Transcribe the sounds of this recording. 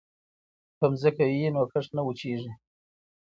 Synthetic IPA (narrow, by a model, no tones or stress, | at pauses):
kəmzəkawiinokəʂnawut͡ʃeʐi